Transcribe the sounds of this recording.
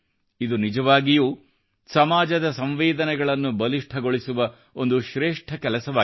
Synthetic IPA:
id̪unid͡ʒɐʋaːɡijuː | sɐmaːd͡ʒɐd̪ɐsɐmʋeːd̪ɐnɛɡɐɭɐnːubɐliʂʈʰɐɡo̞ɭisuʋɐ | ond̪uʃɾeːʂʈʰɐkɛlɐsɐʋaː

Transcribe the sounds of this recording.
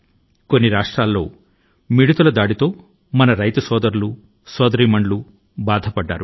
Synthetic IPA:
ko̞nːiɾaːʂʈɾaːlːo̞ː | miɽut̪ɐlɐd̪aːɽit̪o̞ː | mɐnɐɾɐjt̪ɐsɔːd̪ɐɾulu | sɔːd̪ɐɾiːmɐɳlu | baːd̪ʱɐpɐɖːa̰ːɾu

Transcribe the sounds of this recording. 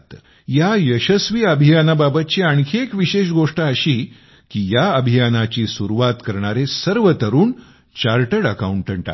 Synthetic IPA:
t̪ | jajəɕəsʋiːəbʱijanababət̪̚t͡ɕiaŋkʰeekʋiɕeɕɡoʂʈaəɕiː | kijaəbʱijanat͡ɕiːsuɾuʋat̪kəɾɳ̃aɾesəɾʋət̪əɾuːn | t͡ɕaɾʈəɽəkauɳʈəɳʈa̰

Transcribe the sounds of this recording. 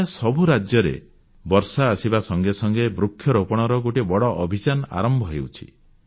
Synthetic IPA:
asɔbʱuɾad͡ʒjɔɾḛ | bɔɾsaːsibasɔŋɡesɔŋɡebɾukʰːjɔɾopɔɽ̃ɔɾɔɡoʈibɔɽɔʔɔbʱit͡ʃanɔa̰ɾɔmbʱɔɦḛwt͡ʃʰi̥̰

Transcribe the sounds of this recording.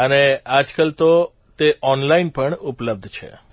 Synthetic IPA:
ənead͡ʒkəlt̪o | t̪eʔɔnlainpəɳupləb̚d̪ʱt͡ʃʰḛ

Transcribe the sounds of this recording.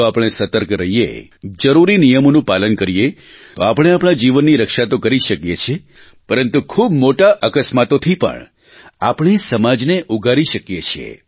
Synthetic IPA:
oapəɽ̃esət̪əɾkɾəɦijḛd͡ʒəɾuɾinijəmonũpalənkəɾije | t̪oapəɽ̃eapɽ̃ad͡ʒiʋənːiɾəkʃat̪okəɾiʃəkjet͡ʃʰe | pəɾənt̪ukʰubmoʈaʔəkəsmat̪ot̪ʰipə̰ɳ | apɳ̃isəmad͡ʒneʔuɡʱaɾiʃəkjet͡ʃʰiḛ

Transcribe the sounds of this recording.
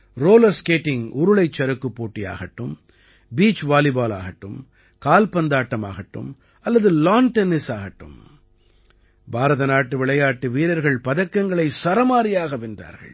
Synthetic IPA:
ɾoːlɐɾskeːʈːɪŋʊɾʊɭɐɪt͡ʃːɐɾɯkːɯpːoːʈːɪja̰ːɣɐʈːɯm | biːt͡ʃʋaːlɪbaːla̰ːɣɐʈːɯm | kaːlpɐnd̪aːʈːɐma̰ːɣɐʈːɯ̰m | ɐlːɐðɯlaːnʈɛnɪsaːɣɐʈːɯ̰m | bʱaːɾɐðɐnaːʈːɯʋɪɭɐjaːʈːɯʋiːɾɐɾɣɐɭpɐðɐkːɐŋɡɐɭɐɪsɐɾɐmaːɾɪjaːɣɐʋɪnd̪a̰ːɾɣɐ̰ɭ

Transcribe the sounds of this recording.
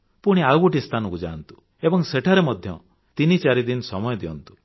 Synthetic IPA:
puɽ̃iaɡuʈist̪ʰanɔkud͡ʒa̰ːnt̪u̥ | ebɔŋseʈʰaɾemɔd̪ʱjɔ̰ | t̪init͡ʃaɾid̪insɔmɔjɔd̪iɔ̰nt̪u̥

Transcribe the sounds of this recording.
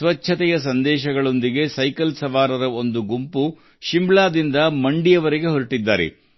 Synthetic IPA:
sʋɐt͡ʃʰɐt̪ɛjɐsɐnd̪ɛːʃɐɡɐɭo̞nd̪iɡe̞sɐjkɐlsɐʋaːɾɐɾɐo̞nd̪uɡumpu | ʃimbɭaːd̪ind̪ɐmɐɳɖijɐʋɐɾiɡe̞ɦoɾiʈid̪ːaːɾḛ

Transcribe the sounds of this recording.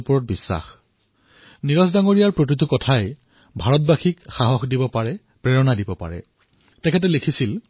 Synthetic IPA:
pɔɹɔt̚bisːa̰x | niɹɔsdaŋoɹijaɹpɹokɹit̬ukɔtʰajɛ | bʱaɹɔt̚baxikxaɦɔxdibɔpaɹɛ | pɹɛɹɔnadibɔpa̰ɹɛ̰ | tɛkʰɛt̬ɛlekʰisil

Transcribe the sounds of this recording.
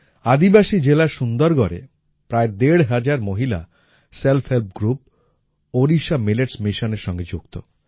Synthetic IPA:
ad̪ibaʃid͡ʑelaɾʃund̪oɾɡɔɾḛ | pɾaed̪eɽɦad͡ʑaɾmoɦila̰ | selpʰhelp̚ɡɾup̚ | oɾiʃamileʈsmiʃoneɾʃɔŋɡed͡ʑukt̪o̰

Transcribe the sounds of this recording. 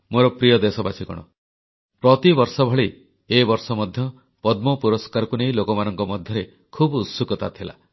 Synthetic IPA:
moɾɔpɾijɔd̪esɔbat͡ʃʰikɔ̰ɽ̃ɔ̰ | pɾɔt̪ibɔɾsɔbʱɔɭi | ebɔɾsɔmɔd̪ʱjɔ | pɔd̪̚mɔpuɾɔskaɾɔkuneĩlokɔmanɔŋkɔmɔd̪ʱjɔɾe | kʰubusukɔt̪at̪ʰila̰

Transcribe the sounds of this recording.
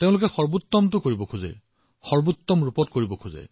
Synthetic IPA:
teʊ̃lʊkɛxɔɹbut̪ːɔmtʊkoɹibɔkʰuzɛ̰ | xɔɹbut̪ːɔmɹupɔt̚koɹibɔkʰuzɛ̰

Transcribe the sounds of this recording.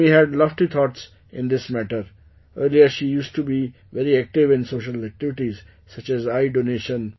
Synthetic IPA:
iɦɛɖlɔʋʈit̪ʰɔːʈs | ɪ̃nd̪ɪsmæʈəɾ | əːɾliəɾʃiːjuːsʈubi | ʋɛɾiæk̚ʈɪʋɪ̃nsoːʃəlæk̚ʈɪʋɪʈiz | sʌt͡ʃɛzaɪɖoneːʃə̃n

